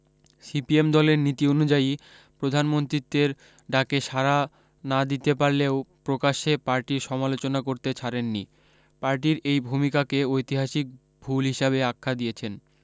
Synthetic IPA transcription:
sipiemd̪ɔleɾnit̪ionud͡ʑai | pɾod̪ʱanmont̪ɾit̪ːeɾ | ɖakeʃaɾa | nad̪it̪epaɾleopɾokaʃepaɾʈiɾʃɔmalot͡ɕonakoɾt̪et͡ɕʰaɾenːḭ | paɾʈ̬iɾejbʱumikakeojt̪iɦaʃik̚ | bʱulɦiʃaβeakʰːad̪ijet͡ɕʰen

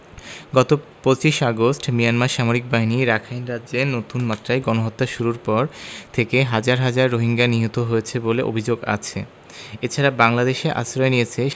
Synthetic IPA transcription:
ɡɔt̪opot͡ɕiʃaɡosʈmijanmaɾʃamoɾik̚baɦiniɾakʰajnɾad͡ʑenot̪unmat̪ːɾaeɡɔnoɦot̪ːaʃuɾuɾpɔɾt̪ʰekeɦad͡ʑaɾɦad͡ʑaɾːoɦiŋɡaniɦot̪oɦojet͡ɕʰeboleʔo̰bʱid͡ʑoɡa̰t͡ɕʰḛ | et͡ɕʰaɾabaŋlad̪eʃeʔa̰sɾɔenijet͡ɕʰe

